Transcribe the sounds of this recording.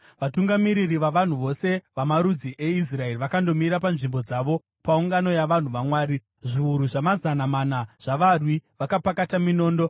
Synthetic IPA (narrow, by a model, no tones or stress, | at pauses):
ʋatuŋɡamiɾiriʋaʋan̤uʋo̞se̞ʋamaɾud͡ziʔe̞is̬rae̞riʋakando̞miɾapanʐimbo̞d͡zaːʋo̞ | pauŋɡano̞jaʋan̤uʋamwaːɾi | ʐiuɾuʐamazanamanaʐ̥aʋarwiʋakapakatamino̞ːndo̞